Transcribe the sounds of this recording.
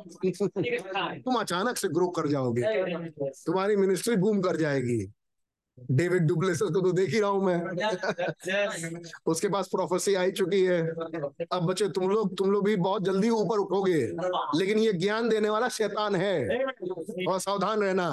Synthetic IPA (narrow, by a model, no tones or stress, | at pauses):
t̪ʊmɐt͡ʃaːnəkseɡɾoːkɐɾd͡ʒaːoːɡeːt̪ʊmaːɾimɪnɪsʈɾibuːmkɐɾd͡ʒaːeːɡḭː | ɖeːʋɪɖ̚ɖup̬leːsəɾkot̪od̪eːkʰiɾaɦũmɛ̃ː | ʊskepaːspɾɔːpʰəɾsiaːit͡ʃʊkiɦɛː | ɐbːɐːt͡ʃet̪ʊmloːɡ̚t̪ʊmloːɡbʱibɐɦʊt̪̚d͡ʒɐld̪iuːpəɾʊʈʰoːɡeːleːkɪnjeɡjaːnd̪eːneʋaːlaʃɛːt̪aːnɦɛː | ɔːɾsaːʋd̪ʱaːnɾɛɦna